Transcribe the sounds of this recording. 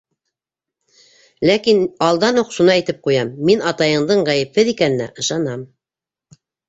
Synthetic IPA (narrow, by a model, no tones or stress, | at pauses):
lækinɑlˠd̪ɑnuqʃunɑæjt̪ɘp̚qujɑmːinɑt̪ɑjɤ̆ɴd̪ɤɴʁæjɘ̆p̚hɘðikænɘ̆næ̰ʔɤ̆ʃɑnɑm